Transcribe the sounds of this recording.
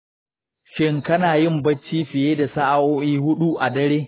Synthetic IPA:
ʃɪ˦ŋkɐ˦naː˨jɪ˦˨mbɐ˦t͡ʃːiː˦ɸɪ˨jeː˦da˨sa˦ʔa˦˨woː˦ʔiː˦hʊ˦ɗu˦ʔa˨dɐ˦ɽeː˦

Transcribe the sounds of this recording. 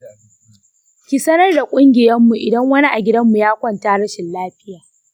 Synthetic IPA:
kʲi˨sɐ˦nɐ˦rda˨kʷʼʊ˦ŋɡʲɪ˨jɐ˦mːu˨ʔɪ˨dɐ˦ŋwɐ˦ni˦ʔa˨ɡʲɪ˦dɐ˦mːu˨jaː˦kʷɐ˦ntaː˦ɽɐ˦ʃɪ˨nlaː˦ɸɪ˦jaː˨

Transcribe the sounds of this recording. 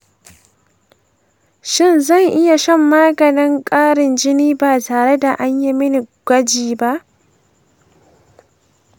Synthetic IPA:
ʃɪ˦nzɐ˦˨ŋʔɪ˦ja˨ʃɐ˦mːa˦ɡɐ˨nɪ˦ŋkʼaː˦ɾɪ˨nd͡ʒɪ˦niː˦baː˨taː˨ɾe˦da˨ʔa˦ɲji˦mɪ˦ni˨ɡʷɐ˦d͡ʒiː˨ba˦ʔ

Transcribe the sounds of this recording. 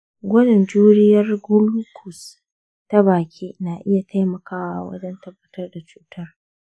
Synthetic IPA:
ɡʷɔ˦dɪ˨nd͡ʒuː˦ɾɪ˦jɐ˦rɡʊ˦lu˦kʰʊ˨s | ta˦baː˨kʲʰiː˦naː˨ʔɪ˦ja˨tʰa˦jmɐ˨kaː˦wa̰˦˨wɐ̰˦d͡ʒɛ˦ntɐ˦bːɐ˦tɐ˦rda˨t͡ʃuː˦tʰɐ˦r

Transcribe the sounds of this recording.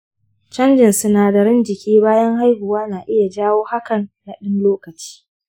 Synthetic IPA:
t͡ʃɐ˦nd͡ʒɪ˨nsʊ˦naː˨da˨ɾɪ˦nd͡ʒɪ˨kʲiː˦baː˦jɐ˦ŋha˦jhʊ˨waː˦naː˨ʔɪ˦ja˨d͡ʒaː˦woː˦ha˦kɐ˨nːa˨ɗɪ˦nloː˦kɐ˨t͡ʃi̥ː˦

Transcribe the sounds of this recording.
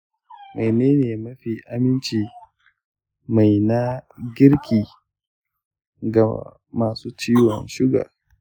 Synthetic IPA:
ma˨jneː˦neː˨mɐ˦ɸi˨ʔa˨mɪ˦nt͡ʃiː˨ | ma˨jna˦ɡʲɪ˦ɾkʲiː˨ | ɡa̰˨ | maː˨suː˦t͡ʃiː˦wɔ̰˨nʃɪ˦ɡa̰˨

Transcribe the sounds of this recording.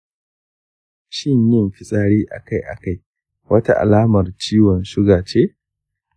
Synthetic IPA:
ʃɪ˦ɲjɪ˦mɸɪ˦˨sʼaː˦ɽiː˦ʔa̰˨ka˦jʔa̰˨ka˦˨j | wɐ˦ta˦ʔa̰˨laː˦mɐ˨rt͡ʃiː˦wɔ˨nʃʊ˦ɡaː˨t͡ʃeː˦

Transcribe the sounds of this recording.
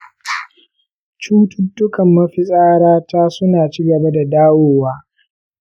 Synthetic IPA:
t͡ʃuː˦tʊ˦dːʊ˦kɐ˨mːɐ˦ɸɪ˦sʼaː˦ɽaː˦taː˦sʊ˦naː˨t͡ʃiː˦ɡɐ˨ba˦da˨daː˦woː˦waː˦

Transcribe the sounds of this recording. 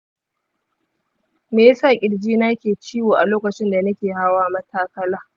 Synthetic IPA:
meː˨jsaː˦˨kʲʼɪ˨ɽd͡ʒiː˦naː˦kʲeː˨t͡ʃiː˦woː˨ʔa˨loː˦kɐ˨t͡ʃɪ˦nda˨nɐ˦kʲeː˨ha˦waː˦mɐ˦tʰaː˦kɐ˦laː˦

